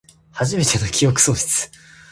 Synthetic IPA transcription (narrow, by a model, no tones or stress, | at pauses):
haʑime̞t̪eno̞kʲijo̞k̬ɯ̥so̞ːɕi̥t͡sɨ̥